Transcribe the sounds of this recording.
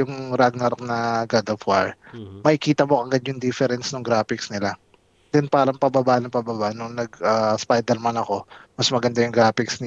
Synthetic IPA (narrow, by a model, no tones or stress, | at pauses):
jʊŋɾaɡ̚nɐɾk̚nɐɡad̪ɐfwa̰ɹmɐʔɪkiːt̪ɐmoʔɐɡad̪̚jʊŋd̪ifɛɾɛnsnoŋɡɾaːfɪksnɪla | d̪̥ɛnpaːɾɐŋpɐbɐbaːʔnɐpɐbabaʔnʊŋnɐɡaːspajd̪ɛlmɐnɐko̞mɐsmɐɡɐnd̪ajʊŋɡɾaːfɪksnɪ